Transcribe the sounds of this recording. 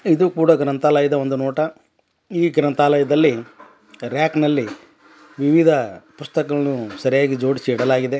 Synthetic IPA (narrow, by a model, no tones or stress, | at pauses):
id̪ukuːɽɐɡɾɐnt̪aːlɐjɐd̪ɐo̞nd̪unɔːʈɐ | iːɡɾɐnt̪aːlɐjɐd̪ɐlːi | ɾjaːknɐlːi | ʋiʋid̪ʱɐpust̪ɐkɐɐɭɐnusɐɾijaːɡid͡ʒo̞ːɽisiːɽɐlaːɡid̪e̞